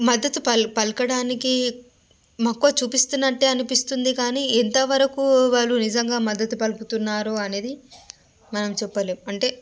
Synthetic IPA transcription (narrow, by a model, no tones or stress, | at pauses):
mɐd̪ːɐt̪upɐlpɐlkɐɽaːniki | mɐkːoːt͡ʃuːpist̪unːɐʈːeɐnipist̪und̪ikaːniːent̪ɐʋɐɾɐkuʋaːɭːunizd͡ʒɐŋɡaːmɐd̪ːɐt̪upɐlput̪unːaːɾuɐne̞ːd̪i | mɐnɐmt͡ʃɛpːɐleːɐɳʈe̞ː